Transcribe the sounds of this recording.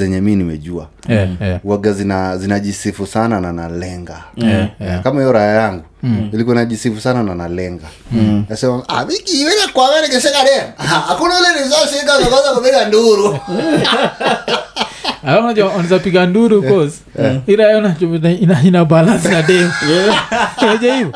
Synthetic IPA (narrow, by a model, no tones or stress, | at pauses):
ɛɲɛminimɛ̰ʄua̰ | waɡazinazinaʄisifusanananalɛŋɡa | kamaiɔɾajajaŋɡuilikɔinaʄisifusanananalɛŋɡa | nasɛmaa̰mikiwɛnakwamanɛɡɛʃ̬ɛkaɗɛmaahakunaulɛnizaʃiik̬azakazakupiɡanduɾu | alaunad͡ʒɛwaanazapiɡanduɾukɔz | iɾajaanat͡ʃɔinainabalans̬inaɗɛm | wɔʄaivɔ